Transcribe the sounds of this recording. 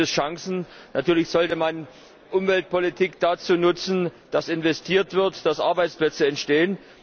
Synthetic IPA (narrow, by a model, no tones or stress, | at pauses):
əsʃaŋsn̩natʰyːɐlɪçz̥ɔltəman | ʔʊmvɛlt̚pʰolitʰiːkd̥at͡suːnʊt͡sn̩d̥asɪnvɛstʰiːɐtv̥ɪɐtd̥asʔa̰ɐbaɪt͡splɛt͡səɛntʃteːən